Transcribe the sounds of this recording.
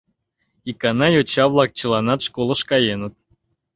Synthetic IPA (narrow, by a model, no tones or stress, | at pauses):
ikɑnɑjot͡ɕɑβlˠɑk̚t͡ɕə̆lˠɑnɑt̪ʂkolˠə̆ʃkɑjenə̆t̪̚